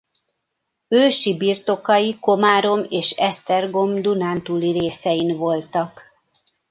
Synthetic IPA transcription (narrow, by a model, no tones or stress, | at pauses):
øːʃibiːrt̪o̞kɒjiko̞maːɾo̞meːʃɛst̪ɛrɡo̞md̪unaːnt̪uliɾeːsɛjinvo̞lt̪ɒk